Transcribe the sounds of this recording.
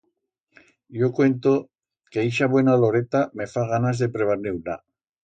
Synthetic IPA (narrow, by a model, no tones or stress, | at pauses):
jokwe̞nt̪o | keiʃaβwe̞nalo̞ɾet̪ame̞faɣ̞anazðe̞pɾeβ̞aɾneula